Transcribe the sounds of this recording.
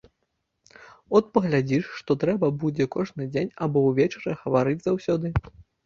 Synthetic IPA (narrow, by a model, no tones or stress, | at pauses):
ɔt̪̚pɐɣlʲad͡zʲiʂʂt̪ɔt̪ɾɛbɐbud͡zʲɛkɔʐnɨd͡zʲenʲabɔwvʲet͡ʂɐɾɐɣɐvaɾɨd͡zʲzawsʲɔd̪ɨ